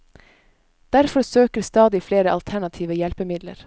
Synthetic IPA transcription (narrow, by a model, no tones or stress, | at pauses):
d̪̥æɾfɔɾsøːkəɾst̪ɑːd̪ɪfleːɾəʔɑlt̪ʰæɳɑt̪ʰiːʋəjɛlpəmɪd̪lə̰ɾ